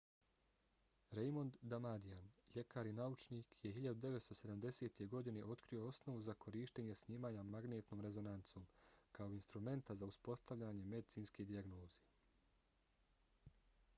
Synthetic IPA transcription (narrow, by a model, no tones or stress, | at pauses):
ɾejmo̞nd̪ːamad̪iaːnʎe̞kaːɾinaut͡ʃniːkje̞ɦiʎad̪ud̪e̞ʋet̪st̪o̞se̞d̪amd̪e̞se̞ːt̪e̞ɡo̞d̪ine̞ʔo̞t̪kɾio̞o̞sno̞ʋuzakʰo̞ɾiːʃt̪e̞ːɲesɲiːmaːɲamaɡne̞ːt̪no̞ːmɾe̞zo̞nant̪soːmkaoinst̪ɾume̞nt̪azauspo̞st̪aʋʎaɲe̞me̞d̪it̪siːnsked̪iaɡno̞ːz̥eː